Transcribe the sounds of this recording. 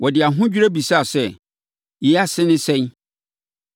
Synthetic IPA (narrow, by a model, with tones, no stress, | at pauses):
wɔ˨dɪ˨a˨ɦʊ̃˦d͡ʑᶣu˦ɾæ˦bi˨sa˦a˨sɛ˦ | jɛ˨a˦sɪ̃˦nɪ̃˦sɛ̃˦ɲ